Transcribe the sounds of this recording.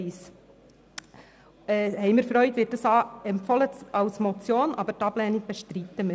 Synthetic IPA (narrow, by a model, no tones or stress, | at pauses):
ɪs | ɛːhɛɪmɪɾfɾœʏtvɪːt̚d̥ɑsɑɛmpfɑlət͡sɑlsmɔt͡sjoːnʔɑ̰bəɾtɑblɛniɡ̚b̥ɛʃtɾit̪ːəm